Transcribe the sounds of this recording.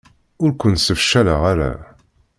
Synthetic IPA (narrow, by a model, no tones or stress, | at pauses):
ʊɾkʷənsəfʃæləʁaɾæ̰